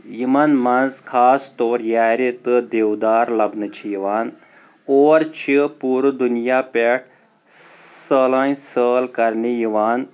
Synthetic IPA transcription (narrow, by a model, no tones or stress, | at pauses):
jimɐnmɐnzkʰaːst̪oːɾjaːɾit̪ɨd̪eːwd̪aːɾlɐbnɨt͡ʃʰijiʋaːn | oːɾt͡ʃʰipuːɾd̪unijaːpeʈ | səːlãːjsəːlkɐɾnijiʋaːn